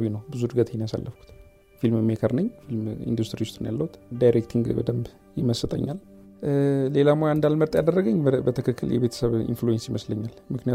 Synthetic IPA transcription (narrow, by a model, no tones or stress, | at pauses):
βinəwbɨzud̪ɨɡət̪ʰhnjasa̰lːəfkʰu̥t̪ | filmmːekʰəɾnəɲfilmḭnd̪ust̪ɾiust̪ɾɨnja̰lːəwut̪d̪ajɾekt̪ʰiŋɡbə̰d̪əmb | jɪməsɨt̪ʼə̰ɲːal | le̞lamojand̪alməɾt̪ʼjad̪ərːəɡəɲːbət̪ʰɨkʰɨkʰːɨljɛ̰βe̞t̪ʰə̥səβḭnflujensjiməsləɲːalmɨknija